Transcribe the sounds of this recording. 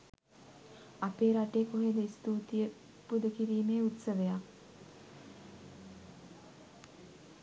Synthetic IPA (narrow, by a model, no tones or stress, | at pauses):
apeːɾaʈeːkoɦed̪əist̪uːt̪ijə | pud̪əkiɾiːmeːut̪səʋəjak